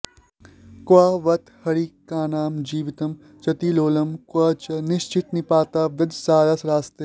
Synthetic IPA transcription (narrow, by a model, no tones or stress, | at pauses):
kaːʋɐt̪hɐɽiːkaːnaːmd͡ʒiːʋɪt̪ɐm | t͡ʃɐt̪iloːlɐmkat͡ʃɐnɪʃt͡ʃɪt̪nɪpaːt̪aːʋɪd̪ʱsaːɾasɾaːst̪e